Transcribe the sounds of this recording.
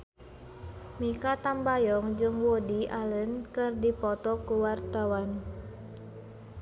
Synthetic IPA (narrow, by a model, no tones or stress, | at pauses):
mikat̪ambajɔŋd͡ʒɨŋwodiʔalənkɨrdipɔt̪ɔkuwart̪awan